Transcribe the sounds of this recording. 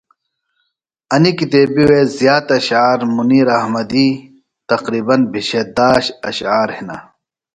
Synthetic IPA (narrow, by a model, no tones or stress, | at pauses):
ɐnikit̪eːbiwezjaːt̪ɐɕaːɾmuniːɾɐhmɐd̪i | t̪ɐqɾiːbɐnbʱiɕed̪aːɕɐɕaːɾhina̰